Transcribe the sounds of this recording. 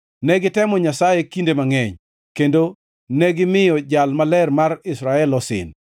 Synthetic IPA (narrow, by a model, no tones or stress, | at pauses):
nɛɡɪtɛmɔɲasajekindemaŋɛɲ | kendo | nɛɡɪmɪjɔd͡ʒalmalɛrmarɪsɾaɛlɔsɪ̰n